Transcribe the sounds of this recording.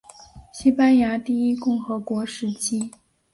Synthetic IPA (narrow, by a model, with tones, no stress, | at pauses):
ɕi˥pa˥nja˧˥t̪i˥˩i˥kʊ˥˩ŋxɤ˧˥kwɔ˧˥ʂɻ̩˧˥t͡ɕʰi˥